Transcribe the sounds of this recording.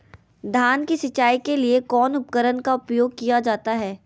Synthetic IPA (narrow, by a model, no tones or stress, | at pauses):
d̪ʱaːnkiʃɐt͡ʃaːikeliekɔːnʊpkəɾənkaʊpjoːɡ̚kijad͡ʒaːt̪aɦɛː